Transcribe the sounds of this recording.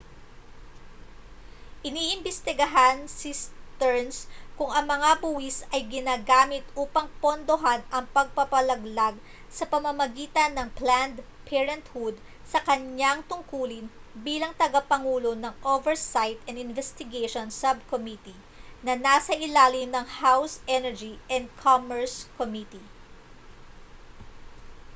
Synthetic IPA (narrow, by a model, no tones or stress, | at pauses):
ʔɪniːʔɪmbɛst̪ɪɡɐɦansist̪ɛɹnskʊŋɐŋmɐŋabuːhɪsɐjɡɪnaːɡaːmɪt̪ʔuːpɐŋpond̪oɦanʔɐŋpɐɡ̚pɐpɐlɐɡlaɡ̚ | sɐpɐmɐmɐɡiːt̪ɐnːɐŋpland̪ | pʰɛɹɐnt̪hud̪̚ | sɐkɐɲaŋt̪ʊŋkuːlɪnbiːlɐŋt̪ɐɡɐpɐŋuːlo̞nɐŋʔovɛɹsajt̪ɐ̃nɪnvɛst̪ɪɡejʃonsɐb̚komit̪i | nɐnasɐʔɪlaːlɪmnɐŋhawsʔɛnɛɹd͡ʒiʔɛnd̪̚kʰomɛɹskomit̪i